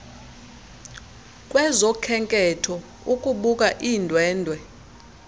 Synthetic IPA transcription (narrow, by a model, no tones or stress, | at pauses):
kʼwɛzɔkʰɛŋkʼɛtʰɔ | ukʼuɓuk̬ʼaʔiːndʱwɛːndʱwɛ